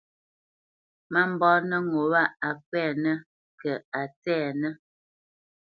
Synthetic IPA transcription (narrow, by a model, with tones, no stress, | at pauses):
ma˦m̩˨bɔː˦nə˦ŋo˨wa˦a˨k̚wɛː˦˨nə˦ | kə˨a˨tɛː˦˨nə˦